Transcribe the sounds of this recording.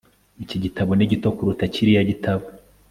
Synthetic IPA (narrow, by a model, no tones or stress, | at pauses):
iciɟitaβoniɟito̞kuɾutaciɾijaɟitʰaβo